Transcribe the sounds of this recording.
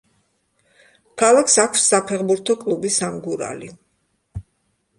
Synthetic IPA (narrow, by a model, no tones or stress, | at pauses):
kʰalˠakʰsakʰfsːapʰɛʁbuɾt̪ʰɔkʼlubisamɡuɾa̰li